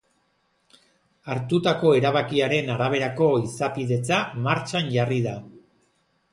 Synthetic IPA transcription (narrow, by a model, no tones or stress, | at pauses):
aɾt̪ut̪ako̞e̞ɾaβakiaɾe̞naɾaβ̞e̞ɾako̞isapiðe̞t͡samaɾt͡ʃanʝariða